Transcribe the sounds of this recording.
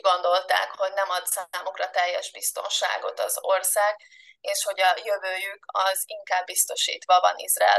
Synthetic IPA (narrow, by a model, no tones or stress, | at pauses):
ɡo̞nd̪o̞lt̪a̰ːkho̞ɟnɛmɒt̪saːmukrɒt̪ɛjːɛʒbist̪o̞̰nʃa̰ːɡo̞t̪ɒzo̞rsaːɡ | eːʃho̞ɟɒjøvøːjykʰɒziŋkaːbːist̪o̞ʃḭːt̪ʋɒvɒ̰nḭzrɒɛ̰l